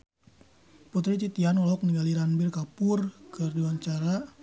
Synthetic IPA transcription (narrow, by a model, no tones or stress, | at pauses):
pɔt̪ɾit͡ʃ̪it̪ianɔlɔk̚niɡaliɾanbirkapʊrkərdiwaɲt͡ʃaɾa